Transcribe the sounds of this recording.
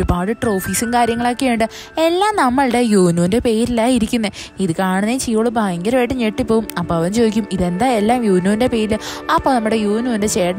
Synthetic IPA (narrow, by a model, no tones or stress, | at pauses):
oɾubaːɽɨʈro̞ːfiːsiŋkaːɾjɐŋːɐɭoːkːeuɳɖɨ | e̞lːaːmnɐmːɐɭɽe̞juːnuːnde̞pe̞ːjiɾilːaːiɾikʲːunːɐ | iðɨkaːɳunːɐjit͡ɕijːoːɭːubʱaːjɐŋɡɐɾɐʋejʈːɨɲeʈːipːo̞ːumɐpːoːɐʋɐnt͡ɕoːðikʲːumiðe̞nd̪aːelːaːmjuːnuːnde̞pe̞ːɾilɐpːoːnɐmːuɽe̞juːnuːnde̞t͡ɕeːɽɐ